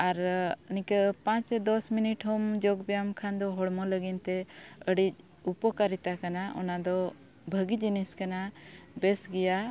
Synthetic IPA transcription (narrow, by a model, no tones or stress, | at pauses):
aɾənĩkəpãt͡ʃɛd̪ɔsminiʈɦɔmd͡ʒɔɡbɛjamkʰand̪ɔɦɔɽmɔləɡint̪ɛəɽic̚ | upɔkaɾit̪akanaʔɔ̰nad̪ɔ | bʱəɡid͡ʒiniskanabɛsɡɛja